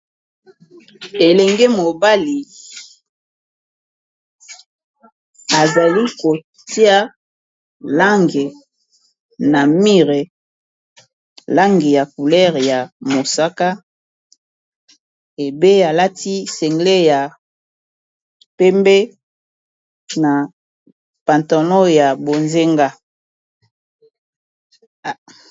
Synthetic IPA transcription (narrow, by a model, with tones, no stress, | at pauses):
e˨lɛ˨ŋɡe˦mo˨ba˦li˨ | a˨za˨li˦ko˨ | ti˦a˦ | la˦ŋɡe˨ | na˨mi˦ʁe˨ | la˦ŋɡe˨ja˨ku˨lɛ˦ʁja˨mo˨sa˦ka˦ | e˨be˦a˨la˦tʰi˦sɛ˨ŋɡle˦ja˨ | pe˦mbe˦ | na˨ | pa˨nta˨nɔ˦ja˨bo˨nze˦ŋɡa˦˨